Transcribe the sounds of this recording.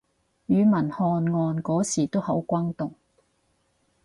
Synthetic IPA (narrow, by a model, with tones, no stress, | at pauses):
jyː˨˧mɐ˨˩nhɔː˧nŋɔː˧nkɔː˨˥siː˨˩t̪o˥whɐ˨˥wkʷɐː˥ŋt̪ʊ˨ŋ